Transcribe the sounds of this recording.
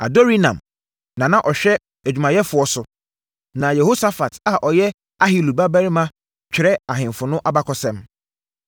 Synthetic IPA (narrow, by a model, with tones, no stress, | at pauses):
a̰˨do˦ɾi˦nã̰˨m | nã˨nã˦˨ʔɔ˨ɕᶣɛ˦ | æ˨d͡ʑᶣu˨mã˨jɛ˦fʊ˨ɔ˦sʊ˨ | nã˨jɛ˨ho˦sa˦fa˨ta˦˨ʔɔ˨jɛ˦ | a˦ɦi˨lu˨ba˦bæ˦ɾi˦mã˦ | t͡ɕᶣɪ˨ɾɛ˦a˨ɦɪ̃˨mfʊ˨nʊ̃˦ʔa˦ba˦kʰɔ˨sɛ̃˦m